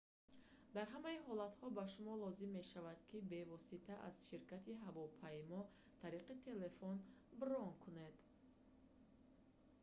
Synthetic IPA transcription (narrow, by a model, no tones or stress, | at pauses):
d̪aɾɦamaiɦɔlat̪hɔbaʃumɔlɔzimːe̞ʃavad̪kʰibe̞vɔsit̪ʰaʔa̰z̥ʃiɾkʰat̪ʰiɦavɔpʰajmɔ | t̪ʰaɾiqit̪ʰe̞le̞fɔnbɾɔŋkʰune̞d̪